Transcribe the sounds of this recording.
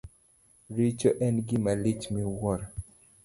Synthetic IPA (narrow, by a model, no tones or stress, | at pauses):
ɾit͡ʃɔʔɛnɡɪmalit͡ʃmiwɔɾa